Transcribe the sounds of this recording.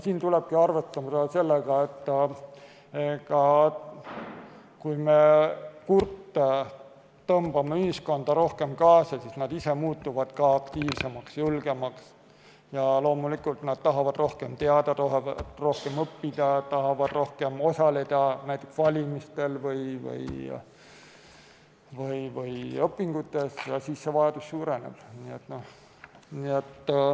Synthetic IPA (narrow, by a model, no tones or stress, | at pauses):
siːnt̪ule̞b̥̚kiɑrvet̪ːˑɑmɑd̪̥ɑse̞lːeɡ̥ɑet̪ː | ekɑ | kujme̞kurt̪ː | t̪ɤmb̥ɑmeyhisko̞nd̪̥ɑɾo̞hke̞mkɑːsɑsisnɑd̪ise̞muːt̪ːˑuvɑd̪̥kɑɑkt̪iːvse̞mɑksjulɡ̥e̞mɑks | jɑlo̞ːmulikult̪nɑd̪̥̚t̪ɑɦɑvɑd̪ro̞hke̞mt̪e̞ɑd̪̥ɑoro̞hke̞mɤpːid̪̥ɑt̪ɑɦɑvɑd̪̥ro̞hke̞mo̞sɑle̞d̪̥ɑnæjt̪ːˑeksvɑlʲimist̪e̞lvɤjvɤ̰j | vɯjvɯjɤpːiŋɡ̥ut̪ːˑe̞sjɑsiːsːe̞vɑjɑd̪̥usːuːɾe̞nḛb̥niet̪noh | niet̪ː